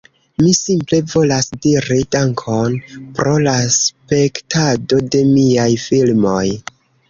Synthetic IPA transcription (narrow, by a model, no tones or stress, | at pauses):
misimple̞vo̞lasdiɾidaŋkʰo̞npɾo̞laspe̞ktado̞de̞miajfilmo̞j